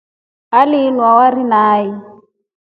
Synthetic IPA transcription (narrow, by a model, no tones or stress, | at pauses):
alɪlwawarinaːji